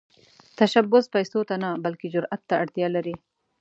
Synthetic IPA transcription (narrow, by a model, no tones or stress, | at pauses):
t̪aʃabʊspajsot̪anabalked͡ʒʊɾʔat̪ːaaɽt̪jɑlaɾi